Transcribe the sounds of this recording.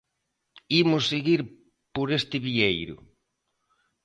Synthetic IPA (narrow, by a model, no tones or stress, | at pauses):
imʊsːeɣiɾ | poɾest̪ɪβiejɾʊ̰